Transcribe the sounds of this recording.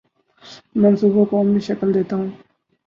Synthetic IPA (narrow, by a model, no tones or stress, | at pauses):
mɐnsuːbokomiʃɐkəld̪eːt̪aːɦũː